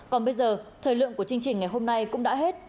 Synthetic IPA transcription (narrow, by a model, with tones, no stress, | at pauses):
kɔ˨˩nɓə˧jzəː˨˩t̪ʰəː˨˩jlɨ̰˧˨əŋku˧˩ət͡ɕi˧ŋt͡ɕï˨˩ŋ̟ŋa˨˩jɦo˧mna˧jkʊ̰˧˥ŋ͡mɗa̰ː˧˥ɦe˦˥t̚